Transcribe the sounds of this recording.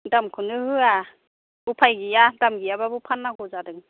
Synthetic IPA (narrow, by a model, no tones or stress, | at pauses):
damkʰɯnɯɦɯa | bupʰajɡijadamɡijababupʰanːaɡɔzadɯŋ